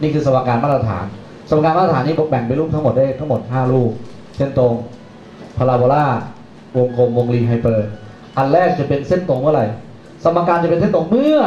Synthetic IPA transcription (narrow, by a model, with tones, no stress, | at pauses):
niː˥˩kʰɯː˧sa˧wa˧˥kːaː˧nmaː˥˩t̪ɾa˧t̪ʰaː˩˦n | sa˧wa˧kaː˧nmaː˥˩ɾa˧˩aː˩˦nːiː˥˩ɔ˧bɛ˨˩ŋpa˧jluː˥˩p̚t̪ʰa˥˩mo˨˩t̪̚da˥˩jt̪ʰa˥˩ŋmo˨˩t̪̚ɦaː˥˩luː˥˩k̚ | sʰe˦˥˩nt̪o˧ŋ | pʰa˧laː˧boː˧laː˥˩ | wo˧ŋkʰoː˧mwo˧ŋliː˧ɦa˧jpɤː˧ | ʔa˧˩nɾɛː˥˩k̚t͡ɕa˨˩pe˧nse˥˩nt̪o˧ŋmɯ˥˩˨ɾa˧j | sa˧ma˧kːaː˧nt͡ɕa˨˩pe˧t̪ʰe˥˨t̪o˧ŋmɯ˥˩ɐ